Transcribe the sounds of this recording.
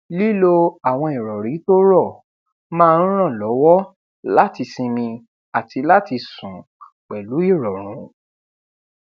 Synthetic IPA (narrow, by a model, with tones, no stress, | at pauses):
li˦lo˧a˨w̃ɔ̃˧i˨ɾɔ˨ɾi˨˦to˦ɾɔ˦˨ | mãː˦˧˦ɾ̃ã˦˨lɔ˨˦wɔ˦ | la˦ti˧sĩ˧mĩ˧ | a˨ti˧la˦ti˧sũ˨ | k͡pɛ˨lu˨˦i˦˨ɾɔ˨ɾ̃ũ˨˦